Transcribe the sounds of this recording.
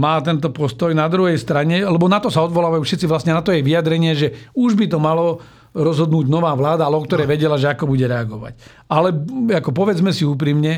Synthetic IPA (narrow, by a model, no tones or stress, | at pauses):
maːt̪ɛnt̪ɔpɔst̪ɔjnad̪ɾuɦɛjst̪ɾaɲɛalɛbɔnat̪ɔsaɔd̪ʋɔlaːʋajuːfʃɛt̪t͡siʋlasɲɛnat̪ɔjɛʋiad̪ɾɛɲɪɛʒɛuʒbit̪ɔmalɔ | ɾɔzɦɔd̪nuːɟnɔʋaːʋlaːd̪aalɛɔkt̪ɔɾɛːʋɛɟɛlaʒɛakɔbuɟɛɾɛaɡɔʋa̰c | alɛakɔp̬ɔʋɛd͡zmɛsiuːp̬ɾimɲɛ